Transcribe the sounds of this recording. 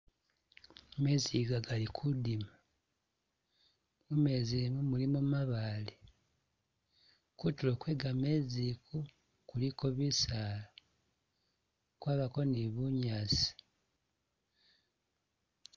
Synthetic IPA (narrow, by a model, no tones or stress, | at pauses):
meziɡaɡalikʰudima | mumezimumulimumaβale | kutulokwe̞ːɡameziku | kuliko̞βisaːla | kwaːβako̞niβuɲaːsi̥